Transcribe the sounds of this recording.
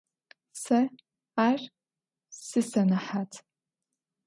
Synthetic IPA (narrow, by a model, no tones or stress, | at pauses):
sa | ar | sɨsanaħat͡sʰʼ